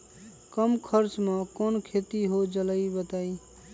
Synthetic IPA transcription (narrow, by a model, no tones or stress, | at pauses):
kəmkʰəɾt͡ʃmʌ̃konkʰet̪iɦod͡ʒələibət̪ai